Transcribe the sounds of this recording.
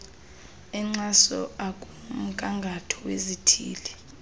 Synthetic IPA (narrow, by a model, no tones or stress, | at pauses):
ɛŋ͡ǀasɔakʼum̩kʼaŋɡʱatʰɔwezitʰḭːlɛ